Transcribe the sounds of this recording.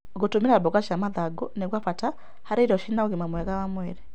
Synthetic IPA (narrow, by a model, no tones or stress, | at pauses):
ɡotumiɾabɔɡaʃamaðaɡɔnɛɡwafata | haɾiɾɔʃinaoɣimamwɛɣawamwɛɾɛ